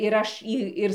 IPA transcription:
ɪr ˈɐʃ iː ˈɪr

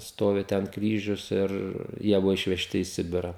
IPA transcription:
ˈstoːʋʲɪ tʲɛn ˈkrʲiːʒʲʊs ɪr ˈjiɛ ˈbʊʋoː ɪʃʲʋʲɛˈʃʲtʲɪ iː ˈsʲɪbʲɪrɐ

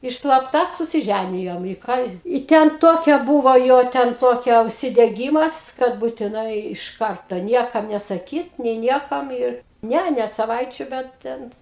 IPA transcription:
ɪr slˠɐpˈtɐ sʊsʲɪˈʒʲænʲɪjoːm ɪ ˈkɑː ɪ ˈtʲɛn ˈtoːkʲɛ ˈbuːʋoː ˈjoː tʲɛn ˈtoːkʲɛ ʊʃʲsʲɪdʲɛˈɡʲiːmɐs kɐt buːtʲɪˈnɐɪ ɪʃ ˈkɐrtoː ˈnʲiɛkɐm nʲɛsɐˈkʲiːt nʲeː ˈnʲiɛkɐm ɪr ˈnʲɛ nʲɛ sɐˈʋɐɪt͡ʃʲuː ˈbʲɛt tʲɛn

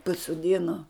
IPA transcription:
pɐsoːˈdʲɪnoː

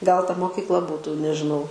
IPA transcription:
ɡɐlˠ tɐ moːkʲiːkˈlˠɐ ˈbuːtuː nʲɛʒʲɪˈnɐʊ

